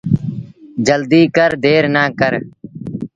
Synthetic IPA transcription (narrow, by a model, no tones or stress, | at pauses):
d͡ʒəld̪iːkəɾd̪eːɾnaːkəɾ